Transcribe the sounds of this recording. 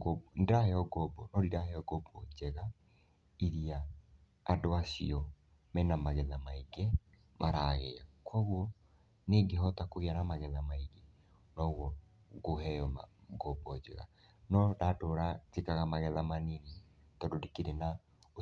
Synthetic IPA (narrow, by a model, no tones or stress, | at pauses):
bndahɛɔɡɔbɔnɔɾiɾahɛɔɡɔbɔd͡ʒɛɣa | iɾiaː | doasḭɔ | mɛnamaɣɛðamaiɡɛ | mʔaɾaɣɛakwɔɣwɔ | neɡeɦɔtakoɣeanamaɣɛðamaiɡɛ | nɔɣɔ | ɡoɦɛɔma̰ɡɔbɔd͡ʒɛ̰ɣa̰ | nɔdatoɾad͡ʒekaɣamaɣɛðamanini | tɔdodekeɾena | o